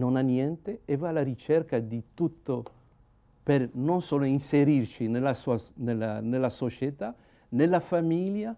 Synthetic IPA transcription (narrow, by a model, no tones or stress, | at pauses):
nonanjɛnt̪eevalaɾit͡ʃɛrkad̪it̪ut̪ːo | pernonsoːloinseɾirt͡ʃinelːasuanelanelːasot͡ʃet̪a | nelːafamilja